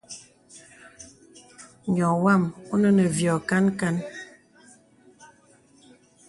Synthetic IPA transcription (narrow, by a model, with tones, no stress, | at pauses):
ɲɔ˨wa˦˨mu˦nə˦nə˨vjɔ˨ka˦nka˦n